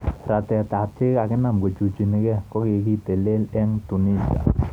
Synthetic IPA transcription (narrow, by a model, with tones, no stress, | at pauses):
ɾat̪ɛ˨t̪at̪ʰe˦kakɪnamɡo˨t͡ʃu˨t͡ʃi˨nekɛkɔ˦ke˧ki˦t̪e˨lɪ˦lɪŋt̪u˨nisia̰˨